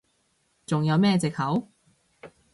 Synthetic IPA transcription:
t͡sʊ˨ŋjɐ˨˧wmɛː˥t͡sɪ˨k̚hɐ˨˥w

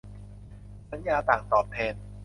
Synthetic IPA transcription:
sa˨˦njaː˧t̪aː˨˩ŋsɔː˨˩pʰːeː˧n

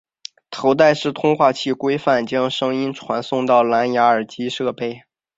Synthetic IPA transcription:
t̪ʰo˧˥ʊt̪a˥˧ɪʂɻ̩˥˩t̪ʰʊ˥ŋxwa˥˧t͡ɕʰi˥˩kwe˥ɪfa˥˩nt͡ɕjɑ˥ŋʂɤ˥ŋi˥nʈ͡ʂʰwa˧˥nsʊ˥˧ŋt̪ɑ˥˩ʊla˧˥nja˧˥ə˞˨˩t͡ɕi˥ʂɤ˥˧pe˥˩ɪ

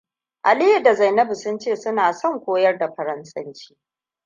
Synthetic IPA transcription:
ʔa˨lɪ˦jɪ˨da˨za˨jnɐ˦bu˨sʊ˦nt͡ʃeː˦˨sʊ˦naː˨sɔ˦˨ŋkʷoː˦jɐ˦rda˨ɸɐ˨ɾɐ˦nsʼɐ˦nt͡ʃi̥ː˦

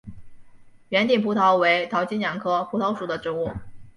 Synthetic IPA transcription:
ɥɛ˧˥nt̪i˨˩ŋpʰu˧˥t̪ʰɑ˧˥ʊwe˧˥ɪt̪ʰɑ˧˥ʊt͡ɕi˥njɑ˨˩ŋkʰɤ˥pʰu˧˥t̪ʰo˧˥ʊʂu˨˩d̪ə˦ʈ͡ʂɻ̩˧˥u˥˩

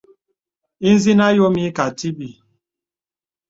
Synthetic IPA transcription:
i˦n̩˦zi˦na˦jo˦mi˦ka˨ti˦bi˨

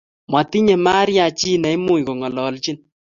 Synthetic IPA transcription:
mwa˨ti˦ɲe˨ma˦ɾja˨t͡ʃi˦nɛ˨i˦mu˦˨i˨ko˨ŋɔ˨lɔ˨lt͡ʃi˦n

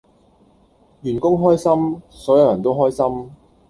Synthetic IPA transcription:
ɥyː˨˩nkʊ˥ŋɦɔː˥jsɐ˥msɔː˨˥jɐ˨˧wjɐ˨˩nt̪o˥wɦɔː˥jsɐ˥m

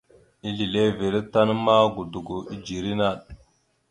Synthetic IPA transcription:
i˦li˨le˦vi˨ɾi˦ta˦n˦ma˦ɡu˨du˨ɡu˨i˦d͡ʒi˨ɾi˦na˦˨ɗ̚

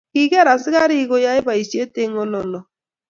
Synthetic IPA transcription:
ki˨ɣɛ˦ɾa˨sɪ˦ɣa˦ɾi˦ɣo˦ja˦ɪ˦ba˨i˨si˦e˦te˦ŋɔ˦lɔ˦nɔ˨

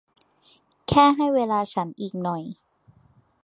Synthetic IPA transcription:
kʰɛː˥˩ɦa˥˩jweː˧laː˧t͡ɕʰa˦˥nʔiː˨˩k̚nɔ˨˩j

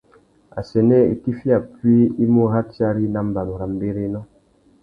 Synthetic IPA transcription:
a̰˨sɛ˨nɛ˦ḭ˨ki˦fi˦a˨pɥi˦i˦mo˦ɦa˦ti˦a˦ɾi˦na˦m˦ba˨nu˨ɾa˨m˦be˦ɾe˦nɔ˦

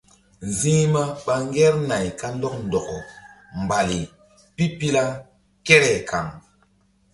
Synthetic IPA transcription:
zĩ˦ma˦ɓa˦ŋ˦ɡɛ˦ɾna˨jka˦n˦dɔ˦k̚n˨dɔ˨kɔ˨ | m˨ba˨li˨ | pi˦pi˦la˦ | ke˦ɾɛ˨ka̰˨ŋ

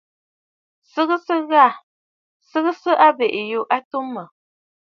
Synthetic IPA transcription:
sɨ˦ɣə˦sə˦ɣa˦˨ | sɨ˦ɣə˦sə˦ʔa˦be˨ʔju˦ʔa˦tu˦mə˨

